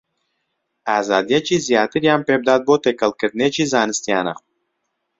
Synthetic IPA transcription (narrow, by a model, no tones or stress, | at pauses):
æːzɑːd̪jat͡ʃizijaːt̪iɾjampeb̚d̪at̪̚bot̪ekɐlˠkət̪̚net͡ʃʰizaːnɨst̪ijaːna̰q